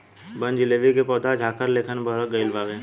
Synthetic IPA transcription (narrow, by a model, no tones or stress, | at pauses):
bə̃nd͡ʒɪleːʋikepɔːd̪ʱad͡ʒʱaːkəɾleːkʰənbʱəɾəɡəɪlʋaːɡẽː